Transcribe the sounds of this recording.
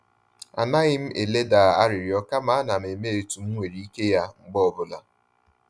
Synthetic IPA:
a̰˨na˦ɣɪ˦m̩˦e˨le˦da˨a˦ɾɪ˨ɾjɔ˦ka˦ma˨a˦na˨m̩˨e˨me˦e˨tu˨m̩˦ŋʷe˨ɾi˨˦i˦ke˦ja˦ŋ͡m̩˨ɡ͡bɔ˦ɔ˨bʊ˨la˨

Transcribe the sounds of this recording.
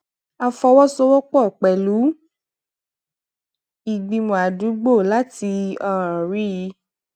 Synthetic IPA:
a˧fɔ˧wɔ˦so˦wɔ˦k͡pɔ˦˨k͡pɛ˨lu˨˦ | i˧˨ɡ͡bĩ˧mũ˨a˨du˨˦ɡ͡bo˦˨la˦ti˧ɔ̃˦˧ɾ̃ã˨ɾi˦ji˧˦

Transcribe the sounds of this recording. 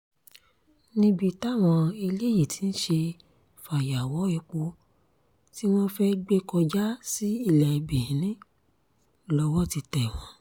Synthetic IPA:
nĩ˧bi˧ta˦˨w̃ɔ̃˧e˧le˦ji˦˨ti˨˦n̩˦ʃe˧ | fa˨ja˨wɔ˨˦ɛ˧k͡po˧˦ | ti˦w̃ɔ̃˦fɛ˦ɡ͡be˦kɔ˧d͡ʒa˦si˦i˦˧˨lɛ˨i˨be˨ĩ˨˦nĩ˦ | lɔ˧wɔ˦˨ti˧tɛ˨w̃ɔ̃˧˦

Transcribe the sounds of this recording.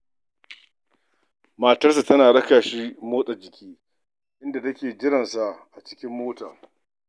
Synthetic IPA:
maː˨tɐ˦rsa˨tɐ˦naː˨ɽɐ˦kaː˨ʃiː˦moː˦sʼɐ˨d͡ʒɪ˨kʲiː˦ | ʔɪ˦nda˨tɐ˦kʲeː˨d͡ʒɪ˦ɾɐ˨nsa˨ʔʔa˨t͡ʃɪ̥˦kʲɪ˦mːoː˦taː˨

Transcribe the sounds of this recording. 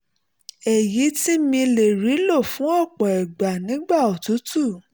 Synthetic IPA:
ɛ˨ji˨˦ti˦mĩ˧le˨ɾi˨˦lo˦˨fũ˨˦ɔ˦˨k͡pɔ˨ɛ˨ɡ͡ba˨nĩ˨˦ɡ͡ba˦˨ɔ˨tu˨˦tu˦˨

